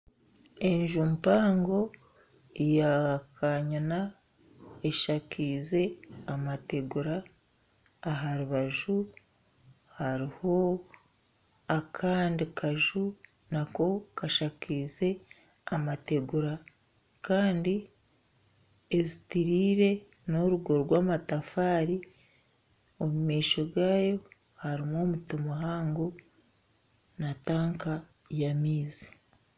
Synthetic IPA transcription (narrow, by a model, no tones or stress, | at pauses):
e̞ɲʒumpaːŋɡo̞ | jakʰaɲana | eʃakiːze̞amate̞ɡuɾaː | ɦaɾuβaʒu | haɾiho̞ | akʰaːndikʰaʒu | nako̞kaʃakiːze̞ | amate̞ɡuɾa | kaːndi | ezitiɾiːɾe̞ | noɾuɡoɾɾɡwaːmatafaːɾi | omumiːʃo̞ɾɡaːjo̞ | haɾimoːmutomaɦaːŋɡu | nataːŋka | jamiːzi̥